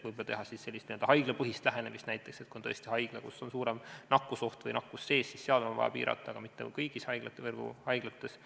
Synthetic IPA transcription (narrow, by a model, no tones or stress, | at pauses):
vujbɑt̪eɦɑsisse̞lːist̪ield̪ɑɦɑjɡ̥lepɤɦist̪læɦe̞nemist̪næjt̪ːˑekset̪̚kuont̪ɤesʲt̪ihɑjɡ̥lekusːo̞nsuːɾe̞mnɑkːˑuso̞ht̪vɤjnɑkːˑusːe̞ːsːisseɑd̪ɑmɑɑ̰jɑ̰pḭːɾɑ̰t̪ːˑɑːɡ̥ɑmit̪ːekukɤjɡ̥ishɑjɡ̥lɑt̪ːvɤrɡ̥ṵhɑjɡ̥lɑt̪ːˑe̞s